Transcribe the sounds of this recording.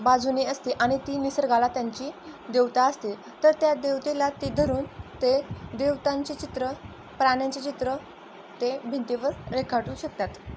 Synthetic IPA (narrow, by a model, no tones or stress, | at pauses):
bad͡zuniːəst̪iʔaɽ̃it̪iːnisəɾɡalat̪jaɲt͡ɕiːd̪eʋt̪aəst̪e | t̪əɾt̪jad̪eʋt̪ilat̪ed̪ʱəɾuːnt̪ed̪eʋt̪aɲt͡ɕet͡ɕit̪ɾə | pɾaɳjat͡ɕet͡ɕit̪ɾə | t̪ebʱint̪iʋəɾɾekʰaʈuːɕək̚t̪at̪